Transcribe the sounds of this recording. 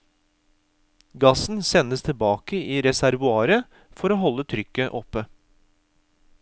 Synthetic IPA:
ɡɑsn̩sɛnəst̪ʰɪlbɑːkəiːɾɛsæɾʋʉɑːɾə | fɔɾoːɦɔlːət̪ʰɾʏkːəʔɔpːə

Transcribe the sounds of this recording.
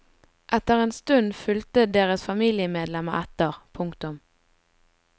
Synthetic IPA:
ʔɛt̪əʁeːnst̪ʉnfʏlt̪əd̪eːʁəsfɑmiːlɪəmeːd̪lɛməɛt̪əʁpʰʊŋkt̪ʊm

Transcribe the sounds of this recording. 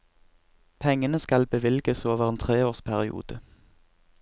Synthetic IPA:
pʰɛŋənəskɑlbəʋɪlɡəsoːʋəʁeːnt̪ʰʁeːoːʁspʰæʁɪṵːd̪ə

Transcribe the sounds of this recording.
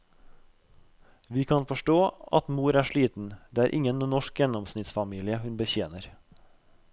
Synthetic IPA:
ʋiːkʰɑnfɔʃʈoːɑt̪muːɾæːʃɭiːt̪n̩d̪eːæːɾʔɪŋənnɔʃkjɛnɔmsnɪt̪sfɑmiːlɪəhʉnbəçeːnəɾ

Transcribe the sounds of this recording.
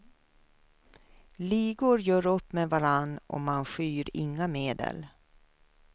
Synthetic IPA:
liːɡʊɾjœːɾɵpːmevaɾanːʔɔ̰manɧyːɾɪŋːameːd̪ə̰l

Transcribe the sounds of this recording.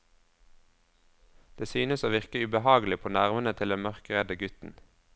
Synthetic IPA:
d̪̥eːsyːnəsoːʋɪʁkəʉbəhɑːɡlɪpʰoːnæʁʋənət̪ʰɪld̪ɛnmœʁkəʁɛd̪əɡʉt̪n̩

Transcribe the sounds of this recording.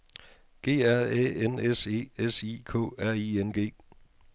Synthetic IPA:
ɡ̥e̝̰ːæɐ̰ḛenese̝̰ːesikʰɔ̰̽ːæɐ̰ienɡ̥e̝̰ː

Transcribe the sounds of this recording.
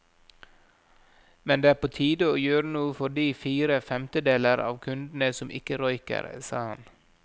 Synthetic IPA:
mɛnd̪eːæːpʰoːt̪ʰiːd̪əoːjøːɾənuːəfɔɖiːfiːɾəfɛmt̪əd̪eːləɾɑ̰ːʋkʰʉnd̪n̩əsɔmʔɪ̰kəɾɔʏkə̰ɾsɑ̰ːhɑ̰n

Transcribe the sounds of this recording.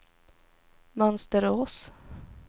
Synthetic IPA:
mœnst̪əɾoːs

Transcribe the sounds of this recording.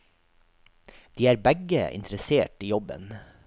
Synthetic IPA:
d̪̥iːæːɾbæɡəɪ̰nt̪ɾəseːʈiːjɔbə̰n

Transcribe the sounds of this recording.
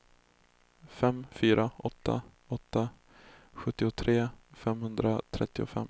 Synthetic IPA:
fɛmfyːɾʔaʔɔt̪ʰːa̰ | ɔt̪ːa | ɧɵt̪ːɪʊt̪ʰɾeːfɛmhɵnd̪ɾat̪ʰɾɛ̰t̪ːɪʊ̰fɛ̰mː

